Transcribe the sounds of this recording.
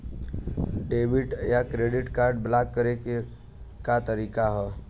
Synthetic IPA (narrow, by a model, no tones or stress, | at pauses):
ɖeːʋɪʈjakɾeːɖɪʈkaːɾɖ̚blaːkːəɾeke | kat̪əɾiːkaɦɛː